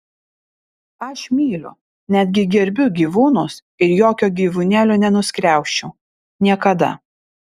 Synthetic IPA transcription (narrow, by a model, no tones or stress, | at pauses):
ɐʃmʲiːlʲʊ̰ | nʲæd̪ʲɡʲɪɡʲɛɾʲbʲʊɡʲiːʋuːnos | ɪɾjoːkʲoːɡʲiːʋunʲæːlʲoːnʲɛnʊsʲkɾʲæˑʊʃʲt͡ʃʲɛʊ | nʲiɛkɐd̪ɐ̰